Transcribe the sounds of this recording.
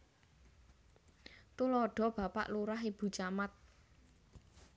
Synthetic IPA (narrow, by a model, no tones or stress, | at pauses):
t̪ulɔɖ̥ɔ̤b̥ä̤pa̰ʔluɾaɦib̥ṳt͡ʃamat̪̚